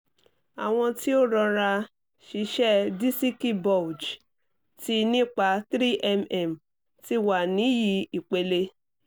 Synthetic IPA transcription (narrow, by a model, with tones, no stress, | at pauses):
a˨w̃ɔ̃˧ti˦o˦˨ɾɔ˧ɾa˧ | ʃi˧˦ʃɛ˦˨di˦si˦ki˦bɔ˨d͡ʒ | ti˦nĩ˦k͡pa˧˦tɾi˦ʔɛ˦mɛ˨m˨ | ti˧wa˨nĩ˨˦ji˨˦i˨k͡pe˧le˧˦